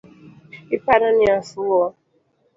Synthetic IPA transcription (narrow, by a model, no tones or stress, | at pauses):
ipaɾanɪasʊɔ